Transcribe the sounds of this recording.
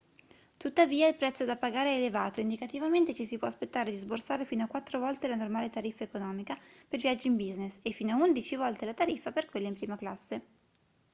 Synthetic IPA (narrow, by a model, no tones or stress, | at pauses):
t̪ut̪ːaviːailpɾɛt̪sːod̪apːaɡaːɾeɛːlevaːt̪oind̪ikat̪ivament̪et͡ʃisipwɔaspet̪ːaːɾed̪izborsaːɾefiːnoakːwat̪ːɾovɔlt̪elanormaːlet̪aɾifːaekonɔːmikapelvijad͡ʒːiimbiznesefːiːnoaund̪it͡ʃivɔlt̪elat̪aɾifːaperkwelːeimpɾiːmaklasːe